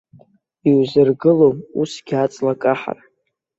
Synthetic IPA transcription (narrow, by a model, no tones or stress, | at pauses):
iwzɨrɡɨlomusɡʲat͡sʼlakʼaħa̰r